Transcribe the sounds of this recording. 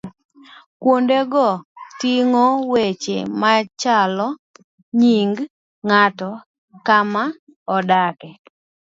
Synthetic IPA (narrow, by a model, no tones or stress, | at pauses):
kwondeɡɔtiŋɔwet͡ʃḛmat͡ʃalɔ | ɲiŋɡ | ŋatɔ | kama | ɔdakɛ